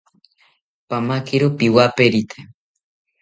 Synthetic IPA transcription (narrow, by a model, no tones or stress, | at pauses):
pamakiɾopiwapeɾit̪ʰe̥